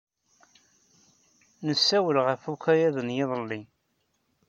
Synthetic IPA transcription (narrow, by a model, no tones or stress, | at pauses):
nəsːæwəlʁəfukæjæðənjɪðˤəlːi